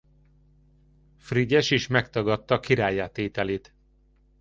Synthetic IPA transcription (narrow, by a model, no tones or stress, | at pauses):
friɟɛʃiʃmɛkt̪ɒɡɒt̪ːɒːkiɾaːjaːt̪eːt̪ɛleːt̪